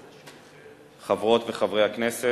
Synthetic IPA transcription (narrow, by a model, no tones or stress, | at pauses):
χavʁo̞tveχavʁejhakne̞se